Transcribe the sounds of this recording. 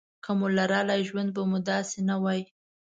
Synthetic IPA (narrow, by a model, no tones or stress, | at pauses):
kamolaɾɑlajʒwand̪̚bamud̪ɑsenawɑj